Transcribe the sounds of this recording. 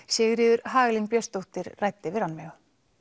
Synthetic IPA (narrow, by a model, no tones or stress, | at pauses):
sjɛːɣɾɪːðʏɾɦaːɣlɪnpjœst̪owht̪ɪɾrajt̪ɪvɪɾanːmɛɣ